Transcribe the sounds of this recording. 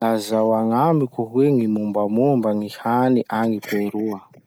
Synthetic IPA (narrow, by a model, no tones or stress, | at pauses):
azawaŋambikuɦweŋimumbamumbaŋihaniʔaŋipeɾua